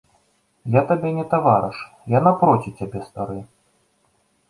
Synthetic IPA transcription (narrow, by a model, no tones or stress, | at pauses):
jat̪abʲɛnʲɛt̪avaɾɨʂ | janapɾɔtʲit͡sʲabʲɛst̪aɾɨ